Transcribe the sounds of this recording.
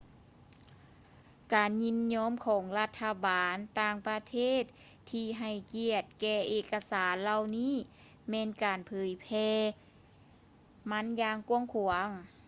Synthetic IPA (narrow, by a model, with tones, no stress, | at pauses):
kaː˨˩nɲi˧˥nɲɔː˧˥mkʰɔː˨˦ŋla˧t̪ʰːa˧baː˨nt̪aː˧ŋpa˧t̪ʰeː˧˥˩t̪̚ʰː | iː˧ɦa˨˩jki˧˩ət̪̚kɛː˧ʔeː˧ka˧saː˨˦nla˧wniː˧˥˨ | mɛː˧˥nkaː˨˩npʰɤː˨˦jpʰɛː˧ | ma˧˥˨njaː˧ŋku˧əŋkʰu˨˩əŋ